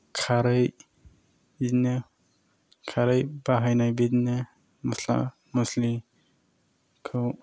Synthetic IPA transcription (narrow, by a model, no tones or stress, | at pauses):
kʰaɾɯj | ine | kʰaɾɯjbaɦajnajbedne | məsla̰ | mɐsli | kʰɯ